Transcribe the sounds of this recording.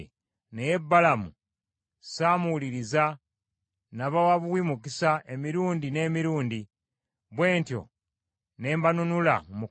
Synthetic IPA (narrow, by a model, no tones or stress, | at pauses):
neje̞bːalamu | saːmuliɾiza | naβawaβuwimukisaemiɾuːndine̞ːmiɾuːndi | βwe̞ːntjo̞̰ | ne̞ːmbanunula̰mu